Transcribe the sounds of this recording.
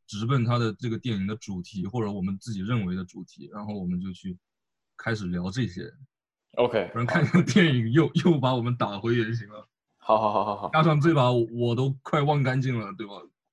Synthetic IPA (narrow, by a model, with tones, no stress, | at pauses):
ʈ͡ʂɻ̩˧˥pə˥˩nt̪ʰa˥d̪ə˨ʈ͡ʂɤ˥˩ɡə˩t̪jɛ˥˩ni˨˩ŋd̪ə˦ʈ͡ʂu˨˩t̪ʰi˧˥xwɔ˥˩ʈ͡ʂɤ˧˥wɔ˨˩mə˦nt͡sɹ̩˥˩t͡ɕi˨˩ɻə˥˩nwe˧˥ɪd̪ə˧ʈ͡ʂu˨˩t̪ʰi˧˥ɻa˧˥nxo˥˩ʊwɔ˨˩mə˦nt͡ɕjo˥˧ʊt͡ɕʰy˥˩ | kʰa˥ɪʂɻ̩˨˩ljɑ˧˥ʊʈ͡ʂɤ˥˩ɕjɛ̰˥ | o˧kʰe˥ɪɔ˩nə˧˥ŋkʰa˥˧nkʰa˥˩ŋt̪̬jɛ˥˩ni˨˩ŋjo˥˧ʊjo˥˩ʊpa˧˥wɔ˨˩mə˦nt̪a˨˩xwe˧˥ɪɥɛ˨˩nɕ̬i˧˥ŋlə˧ | xɑ˧˥xɑ˧xɑ˧xɑ˧˦t͡ɕja˥ʂɑ˥˧ŋt͡swe˥˩ɪpa˧˩wɔ˧˥wɔ˨˩t̪̬o˥ʊkʰwa˥˧ɪwɑ˥˧ŋka˥nt͡ɕi˥˩ŋlə˩t̪we˥˩ɪba˨˩